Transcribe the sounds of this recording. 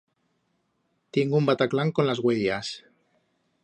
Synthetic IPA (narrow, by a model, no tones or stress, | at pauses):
t̪eŋɡumbat̪aklaŋko̞nlazɣweʎas